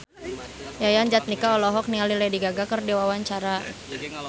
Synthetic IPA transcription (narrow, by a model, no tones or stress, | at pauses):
jajand͡ʒat̪̚nikaɔlɔɦɔk̚nialilɛdiɡaɡakərdiwawaɲt͡ʃaɾa